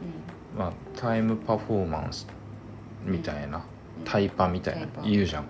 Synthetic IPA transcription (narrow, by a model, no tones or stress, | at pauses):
mat̪ʰaimɯ̟paɸoːmã̰ñsɨ̥ | mʲit̪aina | t̪ʰaipamʲit̪a̰inaɯ̟ʑãŋ